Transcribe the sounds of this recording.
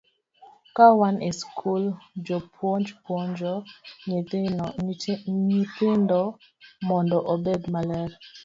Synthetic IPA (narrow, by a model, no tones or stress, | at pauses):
kawaneskʰuld͡ʒɔpʰwɔnd͡ʒpwɔɲd͡ʒɔɲ | ɲit̪ɪndɔ | mɔndɔʔobedmalɛɾ